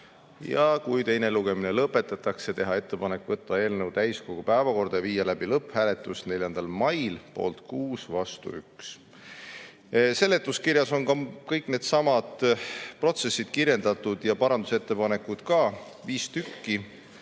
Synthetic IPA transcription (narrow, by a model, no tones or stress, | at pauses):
jɑkujt̪e̞jne̞luɡ̥e̞mine̞lɤpːˑe̞t̪ːˑɑt̪ːˑɑkse̞t̪e̞ɦɑe̞t̪ːe̞pɑne̞kːvɤ̞t̪ːˑɑe̞ːlnewt̪æjsko̞ɡ̥upæevɑko̞rd̪̥ɑjɑviːjɑlæb̥ilɤpːhæːle̞t̪ːˑusne̞lʲjɑnd̪ɑlmɑjlpo̞̰ːlt̪kuːsvɑst̪ṵyks | se̞lːe̞t̪ːˑuskiɾjɑso̞nkɑkɤjkne̞ːd̪̥sɑmɑd̪̥pro̞t̪se̞sːid̪̥kirje̞nd̪ɑt̪ːˑud̪̥jɑpɑɾɑnd̪̥use̞t̪ːe̞pɑne̞kːˑud̪̥kɑː | viːst̪ykːi